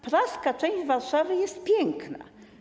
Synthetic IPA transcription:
pɾaskat͡ʂɛ̃w̃ʑvaɾʂavɘjɛst̪̚pʲjɛŋkna̰

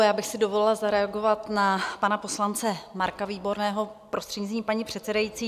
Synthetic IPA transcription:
jaːbɪxsɪdo̞volɪlazaɾɛaɡo̞vat̪napanapo̞slant͡sɛmaɾkaviːbo̞ɾnɛːɦo̞pɾost̪r̥ɛɟɲizɲiːpaɲipr̝̥ɛt̪sɛdajit͡siː

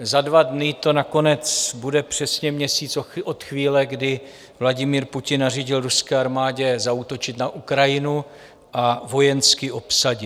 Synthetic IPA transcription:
zadvadnɪt̪o̞nako̞nɛt͡sbudɛpr̝̥ɛsɲɛmɲɛsiːt͡sʔot̪xviːlɛɡdɪ | vlaɟɪmiːɾpucɪnːariɟɪlɾuskɛːaɾmaːɟɛzaut̪o̞t͡ʃɪt̪naʔukɾajɪnu | ʔavo̞jɛnskɪʔo̞psaɟɪ

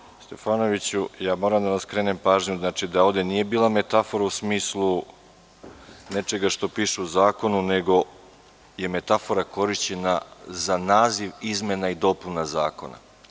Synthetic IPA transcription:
st̪e̞faːno̞ʋit͡ɕujaːmo̞ːɾamd̪anaskɾe̞ːnempaːʒɲuznaːt͡ʂid̪ao̞d̪e̞niːje̞biːlˠame̞t̪afo̞ɾausmiːslˠu | ne̞t͡ʃe̞ɡaʃt̪o̞piːʃeuzaːko̞nune̞ɡo̞ | je̞me̞t̪afo̞ɾako̞ɾiʃt͡ɕe̞nazanaːziʋizme̞naid̪o̞punazaːko̞̰na̰

